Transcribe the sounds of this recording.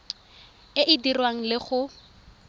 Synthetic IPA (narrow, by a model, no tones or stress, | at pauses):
ɪʔidirwaŋ̩lɪχʊ